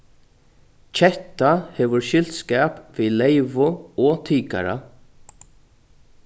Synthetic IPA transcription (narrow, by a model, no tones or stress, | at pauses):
t͡ʃʰɛht̪ahɛːʋʊɹʃɪl̥t̪skɛːpviːlejʋʊɔt̪ʰiːka̰ɾa̰